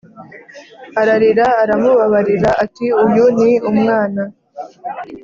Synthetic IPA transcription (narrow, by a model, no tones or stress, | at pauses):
aɾaɾiɾaːɾamuβaβaɾiɾaʔatiujuniumŋaːna